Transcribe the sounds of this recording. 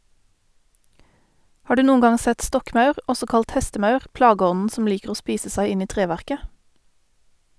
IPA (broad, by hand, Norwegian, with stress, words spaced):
ˈhɑː ˈɖʉː ˈnuːn̩ ˈɡɑŋ ˈsɛt ˈstɔkmɑʉʁ ˈɔsɔ ˈkɑlt ˈhɛstəˌmɑʉʁ ˈplɑːˌɡɔnn̩ sm̩ ˈliːkəʁ ˈoː ˈspiːsə ˈsæɪ ˈɪn ˈiː ˈtʁeːˌʋæʁkə